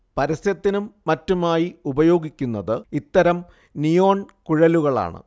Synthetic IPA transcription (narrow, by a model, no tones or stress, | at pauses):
pɐɾɐsjɐt̪ːinumːɐtːumaːjiubɐjo̞ːɡikʲːunːɐðɨit̪ːɐɾɐm | nijo̞ːɳkuɻɐluɣɐɭa̰ːɳɨ̰